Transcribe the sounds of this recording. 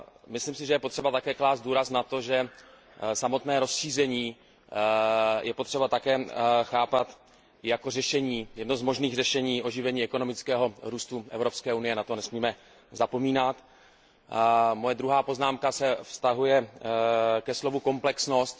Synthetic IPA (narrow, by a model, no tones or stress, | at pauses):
mɪslimsɪʒɛjɛpo̞t̪r̥ɛbat̪akɛːklaːst̪duːɾasnat̪o̞ʒɛ | samo̞t̪nɛːɾo̞sʃiːzɛɲiː | jʔɛpot̪r̝̥ɛbat̪akɛːxaːpat̪ | jako̞rɛʃɛɲiːjɛdnozmo̞ʒniːɣrɛʃɛɲiːʔo̞ʒɪvɛɲiːɛko̞no̞mɪt͡skɛːɦo̞ɾuːst̪uʔɛ̰vɾo̞pskɛːunɪjɛnat̪o̞nɛsmiːmɛ | zapo̞miːnat̪ | mojɛd̪ɾuɦaːpo̞znaːmkasɛfst̪aɦujɛ | kɛslo̞vuko̞mplɛksno̞st̪